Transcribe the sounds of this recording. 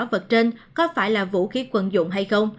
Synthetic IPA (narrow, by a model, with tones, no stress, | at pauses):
və˨˩t̚t͡ɕe˧nkɔ˨˦faː˧˩jlaː˨˩vṵ˧˥xi˨˦kwə˨˩nzʊ̰˧˨ŋ͡mɦa˧jxə˧wŋ͡m